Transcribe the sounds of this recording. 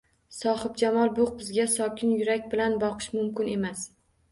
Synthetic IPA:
sɒhɪb̚d͡ʒamɒlˠbʊqbɪzɡʲasɒkʲʰɪnjʊɾakʲbɪlanbɒqʰɨ̥ʃmʊmkʲɪne̞mas

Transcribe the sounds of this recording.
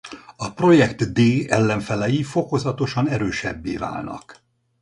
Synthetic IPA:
ɒpro̞jɛkt̪d̪eːɛlːɛɱfɛlɛjifo̞ko̞zɒt̪o̞ʃɒnɛɾøːʃɛbːeːva̰ːlnɒ̰k

